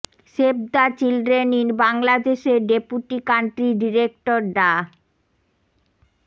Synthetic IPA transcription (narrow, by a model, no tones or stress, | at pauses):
ʃeb̚d̪at͡ɕilɖɾeninbaŋlad̪eʃeɖepuʈikaɳʈɾiɖiɾek̚ʈoɾɖa